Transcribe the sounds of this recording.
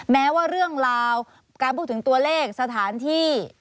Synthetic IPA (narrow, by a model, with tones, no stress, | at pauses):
mɛː˦˥waː˥˩ɾɯ˥˩əŋɾaː˧w | kaː˧npʰuː˥˩t̪ʰːɯ˩˦ŋt̪u˧ɐleː˥˩k̚sa˧t̪ʰaː˩˦nt̪ʰiː˥˩